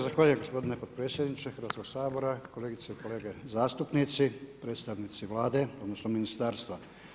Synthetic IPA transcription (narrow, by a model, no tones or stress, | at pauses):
zaxʋaːʎuje̞mɡo̞spo̞d̪inepo̞d̪̚pɾe̞ːtsjed̪nit͡ʃexəɾʋat̪ko̞ɡsaːbo̞ɾako̞le̞ːɡit̪seiko̞le̞ːɡezaːst̪upnit̪sipɾe̞ːt̪st̪aʋnit̪siʋlaːd̪e̞o̞d̪no̞snominist̪aːɾst̪ʋa